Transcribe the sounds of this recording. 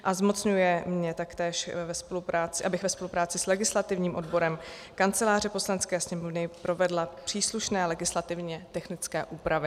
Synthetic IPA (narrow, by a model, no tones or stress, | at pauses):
ʔazmo̞t͡sɲujɛmɲɛt̪akt̪ɛːʃvɛspolupɾaːt͡sɪʔabɪxvɛspolupɾaːt͡sɪslɛɡɪslat̪ɪvɲiːmʔo̞dbo̞ɾɛm | kant͡sɛlaːr̝ɛpo̞slanɛt͡skɛːsɲɛmovnɪpɾo̞vɛdlapr̥iːsluʃnɛːlɛɡɪslat̪ɪvɲɛt̪ɛxnɪt͡skɛːʔuːpɾavɪ